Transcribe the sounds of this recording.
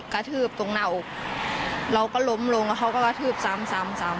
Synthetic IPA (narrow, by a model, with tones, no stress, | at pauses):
ka˧˩t̪ʰɯː˧˥˩p̚t̪o˧˩ŋna˧˩˨wʔk̚ | la˧˩wkaː˧˩lo˧˥˨mlo˧˦ŋka˧˩ɦʰa˧˨wka˧˩ka˧t̪ʰɯː˧˩p̚sa˧˨˦msa˨˦msa˨˦m